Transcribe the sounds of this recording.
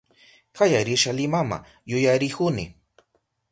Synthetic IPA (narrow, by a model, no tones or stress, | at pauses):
kajaɾɪʃalɪmama̰ | jʊjaɾɪkʊnɪ